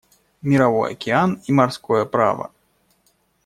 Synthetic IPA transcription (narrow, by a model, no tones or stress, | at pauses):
mʲiɾavɔjɐ̰kʲɛanimarskɔjɐpɾa̰vɐ̰